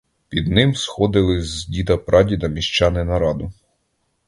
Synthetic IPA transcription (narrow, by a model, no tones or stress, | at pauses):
pʲid̪nɪmsxɔd̪ɪlˠɪzzʲdʲid̪ɐpɾɑdʲid̪ɐmʲiʃt͡ʃɑnɪnɐɾɑd̪ʊ